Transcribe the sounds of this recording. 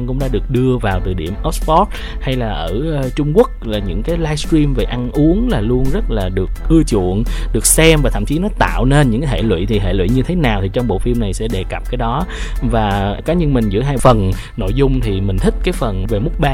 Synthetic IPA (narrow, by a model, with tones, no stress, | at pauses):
nkʊ̰˧˥ŋ͡mɗa̰ː˧˥ɗɨ˨˩ək̚ɗɨ˧əvaː˨˩wt̪ɨ˨˩ɗḭ˧˩əmʔə˦˥sfɔ˦˥t̚ | ha˧jlaː˨˩ʔəː˧˩˧t͡ɕʊ˧ŋ͡mku˦˥ək̚laː˨˩ɲɨ̰˧˥ŋkaː˨˦jlaː˧jstɹi˧mve˨˩ʔa˧nʔu˨˦əŋlaː˨˩lu˧ənzə˦˥t̚laː˨˩ɗɨ˨˩əkk̚ʔɨ˧t͡ɕṵ˧˨ənɗɨ˨˩ək̚sɛ˧mvaː˨˩t̪ʰa̰˧˨mt͡ɕi˨˦nɔ˨˦t̪a̰ː˧˨wne˧nɲɨ̰˧˥ŋkaː˨˦h̪ʰḛ˧˨lwḭ˧˨t̪ʰi˨˩ɦḛ˧˨lwḭ˧˨ɲɨ˧t̪ʰe˨˦naː˨˩wt̪ʰi˨˩t͡ɕɔ˧wŋ͡mɓo̰˧˨fi˧mna˨˩jsɛ̰˧˥ɗe˨˩ka˨˩p̚kaː˨˦jɗɔ˨˦ | vaː˨˩kaː˨˦ɲɨ˧nmï˨˩ŋ̟zɨ̰˧˥ɦaː˧jfə˨˩n | no̰˧˨jzʊ˧ŋ͡mt̪ʰi˨˩mï˨˩ŋ̟t̪ʰï˦˥k̟̚kaː˨˦jfə˨˩nve˨˩mʊ˦˥k͡p̚ɓaː˧